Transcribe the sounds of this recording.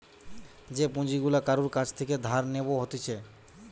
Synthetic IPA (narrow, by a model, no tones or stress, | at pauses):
d͡ʑepõd͡ʑiɡulakaɾuɾkat͡ɕʰt̪ʰeked̪ʱaɾneboɦot̪et͡ɕʰe